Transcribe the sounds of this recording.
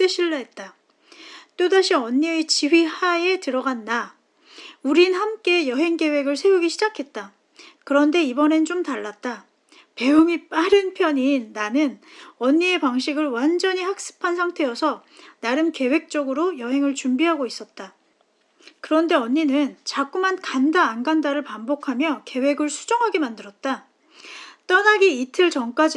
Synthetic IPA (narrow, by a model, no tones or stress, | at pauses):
t͈eɕʰiɭːaɦet̚t͈a | t͈odaɕʰiʌɲːiet͡ɕiwɥihae̞tɯɾʌɡanːa | uɾinhamk͈e̞jʌɦe̞ŋke̞we̞ɡɯɭsʰe̞uɡiɕʰid͡ʑakʰe̞t̚t͈a | kɯɾʌnde̞ibʌne̞nt͡ɕomtaɭːat̚t͈a | pe̞oŋip͈aɾɯnpʰjʌɲinːanɯnʌɲːie̞paŋɕ̬ʰiɡɯɭwand͡ʑʌɲihak̚s͈ɯ̥pʰansʰaŋtʰe̞jʌsʰʌ | naɾɯnke̞we̞k̚t͡ɕ͈ʌɡɯɾojʌɦe̞ŋɯɭt͡ɕumbiɦaɡois͈ʌt̚t͈a | kɯɾʌnde̞ʌɲːinɯnt͡ɕak͈umankandaːnɡandaɾɯɭpambokʰamjʌke̞we̞ɡɯɭsʰu̥d͡ʑʌŋɦaɡe̞mandɯɾʌt̚t͈a | t͈ʌnaɡiitʰɯɭt͡ɕʌŋk͈ad͡ʑi